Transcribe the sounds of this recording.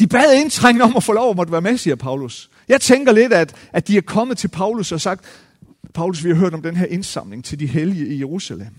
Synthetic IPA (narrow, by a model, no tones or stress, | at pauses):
d̥ib̥ɛːð̞ˠe̝nt͡sʰʁaŋ̰nəɒ̽mæfoːlɒ̰ʊ̰ɒmɒd̥ʋæːɐmesiːɐpʰɑ̈ʊlus | jɑ̈ɪt͡sʰeŋɡ̥ɐle̝d̥æd̥ | æd̥iæɐkʰɒ̽məð̩ˠt͡sʰe̝lpʰɑ̈ʊlusɒ̽sɑ̈ɡ̥̚d̥ | pʰɑ̈ʊlusʋihɑ̈ɦøɐɾ̥ɒmd̥enɦeɐʔe̝nsɑ̈m̰le̝ŋt͡sʰe̝ldiɦeliəijeʁusælem̰